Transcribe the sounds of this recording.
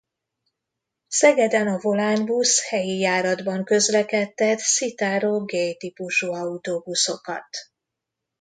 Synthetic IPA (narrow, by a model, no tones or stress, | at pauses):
sɛɡɛd̪ɛnɒvo̞laːnbushɛjijaːɾɒd̪bɒŋkø̞zlɛkɛt̪ːɛt̪sit̪aːɾoːɡejt̪ipuʃuɒut̪obuso̞kɒ̰t̪